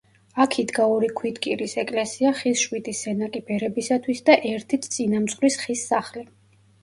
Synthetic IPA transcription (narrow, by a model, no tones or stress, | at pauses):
akʰid̪ɡaɔɾikʰwid̪kʼiɾisɛkʼlɛsiaχisʃwit̪ʼisɛnakʼib̥ɛɾɛbisat̪ʰwisd̪aʔɛɾt̪ʰit̪ʰt̪sʼinamt̪sχlisχisːaχli